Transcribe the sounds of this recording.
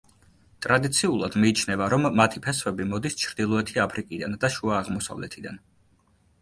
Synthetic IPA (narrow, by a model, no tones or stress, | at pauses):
t̪ʼɾad̪it̪sʰiulˠad̪miːt͡ʃʰnɛvaɾɔmːat̪ʰipʰɛsvɛbimɔd̪ist͡ʃʰɾd̪ilˠɔɛt̪ʰiapʰɾikʼid̪and̪aʃuaːʁmɔsa̰vlɛ̰t̪ʰid̪a̰n